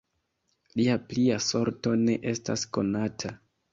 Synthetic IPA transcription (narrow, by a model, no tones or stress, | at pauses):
liapliaso̞ɾto̞ne̞ʔe̞sta̰sko̞natʰa